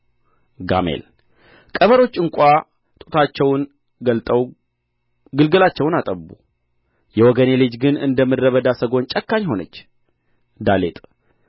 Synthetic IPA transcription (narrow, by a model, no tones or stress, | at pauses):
ɡa̰mḛl | kʼəβəɾo̞t͡ʃːɨŋkʷʼa | t̪ʼu̥t̪ʰat͡ʃːɛwn | ɡəlt̪ʼəw | ɡɨlɡɨlat͡ʃːɛwnat̪ʼəbṵ | jɛwɔɡənelid͡ʒɡɨnɨ̰nd̪əmːɨːəβəd̪asəɡo̞nt͡ʃʼəkːaɲho̞nət͡ʃː | d̪alḛt̪ʼ